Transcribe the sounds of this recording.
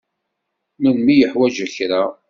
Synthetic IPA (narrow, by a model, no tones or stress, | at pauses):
mənmijəħwæd͡ʒəçɾa